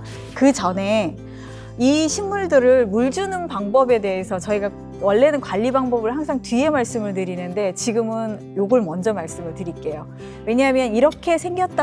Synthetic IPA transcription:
kɯt͡ɕʌne̞ | iɕʰinːuɭdɯɾɯɭmuɭd͡ʑunɯnpaŋbʌbe̞de̞ɦesʰʌt͡ɕʌiɡa | wʌɭːe̞nɯnkwaʎːibaŋbʌbɯɭhaŋsʰaŋtɥie̞maɭs͈ɯmɯɭt̬ɯɾinɯnde̞t͡ɕiɡɯmɯn | joɡɯɭmʌnd͡ʑʌmaɭs͈ɯmɯɭtɯɾik͈e̞jo | we̞ɲaɦamjʌniɾʌkʰe̞sʰe̞ŋɡjʌt̚t͈a

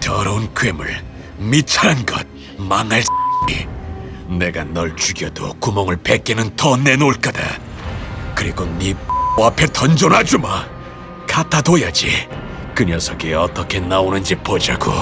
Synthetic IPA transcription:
tʌɾʌunkɥemɯ̰ɭ | mit͡ɕʰaɾanɡʌ̰d̚ | maŋaɭsɲi | ne̞ɡanʌɭt͡ɕuɡjʌdo̰kumʌŋɯɭpek͈enɯntʌne̞noɭk͈ada̰ | kɯɾiɡonioapʰe̞tʰʌnd͡ʑonɦad͡ʑuma | kʰat͈ʰadojad͡ʑi | kɯɲʌsʰʌkeʌt͈ʌkʰe̞naonɯnd͡ʑipod͡ʑaɡo̰

